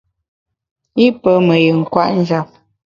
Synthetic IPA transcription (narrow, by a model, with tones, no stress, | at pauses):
i˦pə˦mə˨jə˨ŋ̩˨kwa̰˦ʔn̩˦d͡ʒa˨p̚